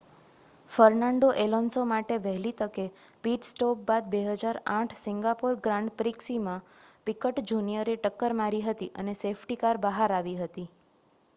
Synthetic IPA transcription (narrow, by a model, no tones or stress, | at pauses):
fəɾnaɳɖoʔelɔnsomaʈeʋəɦlit̪əkepiʈsʈopbad̪beɦəd͡ʒaɾãʈʰsɪŋɡapoɾɡɾãɳɖpɾiksimãpikəʈd͡ʒunijəɾeʈəkːəɾmaɾiɦət̪iʔənesefʰʈikaɾbəɦaɾaʋiɦət̪i